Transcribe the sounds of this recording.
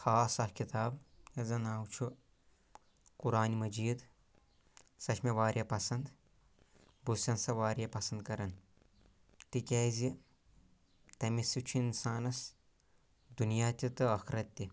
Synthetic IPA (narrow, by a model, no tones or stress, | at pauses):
xaːsɐhkit̪aːbjɐzɐnaːwt͡ʃʰu | kuɾaːnimɐd͡ʒiːd̪ | sɐʃʰmeʋaːɾʲjɐpɐsɐnd̪ | busɐnsɐʋaːɾjɐpɐsɐnd̪̚kɐɾɐn | t̪ikʲeːzi | t̪ɐmisit͡ʃʰuinsaːnɐs | d̪unijaːt̪ʲit̪ɨɐxɾɐt̪ʲːi